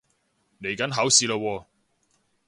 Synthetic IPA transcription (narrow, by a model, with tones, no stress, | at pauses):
le˨˩jkɐ˨˥nɦɐː˨˥wsiː˧ləː˧wɔː˧